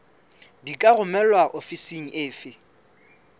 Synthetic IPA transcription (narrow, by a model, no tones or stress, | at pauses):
dikʼarʊmɛlwaʔofisiŋ̩ʔeːfɪ